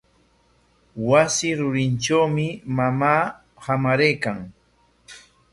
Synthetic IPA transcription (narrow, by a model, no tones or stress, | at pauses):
wasɪɾʊɾɪnt͡ʃawmɪmamaː | hamaɾejkaŋ